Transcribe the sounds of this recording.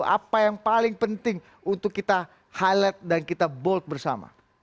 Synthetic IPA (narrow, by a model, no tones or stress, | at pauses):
a̰pajaŋpalɪŋpənt̪ɪŋ | unt̪ʊkːit̪a | halət̪̚dankit̪abɔlt̪̚bərsa̰ma̰